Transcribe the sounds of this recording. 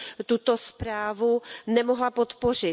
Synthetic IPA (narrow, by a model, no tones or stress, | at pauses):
t̪ut̪ospɾaːvunɛmoɦlapot̪por̝ɪ